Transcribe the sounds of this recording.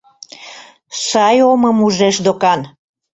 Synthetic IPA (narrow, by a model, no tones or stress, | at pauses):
sɑjoməmuʒeʃd̪okɑn